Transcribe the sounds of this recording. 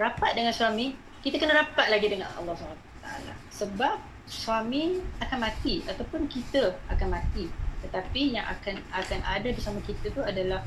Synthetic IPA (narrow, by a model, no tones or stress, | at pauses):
rapat̪̚dəŋanswamĩ | kit̪əkənəɾapat̪̚laɡidəŋanɑ̰lːɑhsəbana | t̪a̰a̰la̰səbap̚ | swamĩakanmãt̪iat̪awpʊnkit̪əakanmãt̪it̪ət̪apijaŋʔa̰kanakanʔadadisamakit̪ət̪uadalah